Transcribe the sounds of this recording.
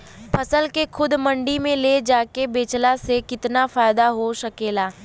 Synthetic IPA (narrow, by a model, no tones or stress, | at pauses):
pʰɐsəlkexʰʊd̪mɐ̃ɳɖimẽled͡ʒaːkebeːt͡ʃlasekɪt̪nafaːɪd̪aɦoʃɐkeːlaː